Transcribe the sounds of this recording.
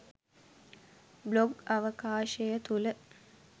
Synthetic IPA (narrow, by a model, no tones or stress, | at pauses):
bloɡɐʋəkaːʃɐjət̪ulə